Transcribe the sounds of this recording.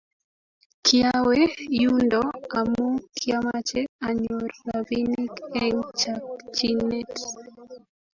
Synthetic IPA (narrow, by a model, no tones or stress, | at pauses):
kjawejundɔamokʰjamat͡ʃɛaɲɔrːavinikɛŋt͡ʃak̚t͡ʃinɛt